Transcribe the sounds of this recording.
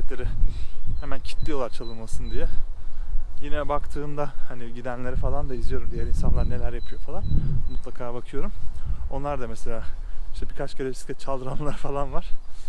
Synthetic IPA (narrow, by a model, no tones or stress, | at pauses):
et̪leɾɪhemæncʰi̥t̪lʲijo̞lˠaɾt͡ʃʰalˠɯnmasɯnd̪ijɛ | jinɛbakt̪ʰɯːmd̪ahaniɟid̪ænlʲeɾifalˠand̪aizijo̞ɾumd̪ijæɾinsanlˠaɾɯne̞lʲæɾjapʰɯjo̞falˠanmut̪lˠakʰaːbakʰɯjo̞ɾumo̞nlˠaɾd̪amɛse̞lʲaːiʃt̪ʰɛbikʰat͡ʃkʰelʲefisi̥t̪ʰɛt͡ʃʰalˠd̪ɯɾanlˠaɾɯfalˠanvaɾ̥